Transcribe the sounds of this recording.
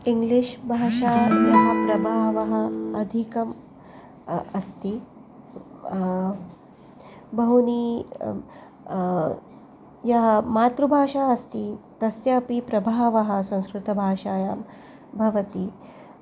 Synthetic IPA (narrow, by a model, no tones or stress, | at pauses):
iŋɡliʃbʱaːʃaːjɐɦɐpɾɐbʱaːʋɐɦɐ̆ɐd̪ʱikɐm | ɐst̪i | bɐɦuniː | jɐɦɐmaːt̪ɾubʱaːʃaːɐst̪it̪ɐsjɐpipɾɐbʱaːʋɐɦɐ̆sɐ̃w̃skɾut̪ɐbʱaːʃaːjaːm | bʱɐʋɐt̪i